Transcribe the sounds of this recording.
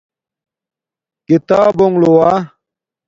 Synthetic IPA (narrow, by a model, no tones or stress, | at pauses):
kit̪aːboŋlowa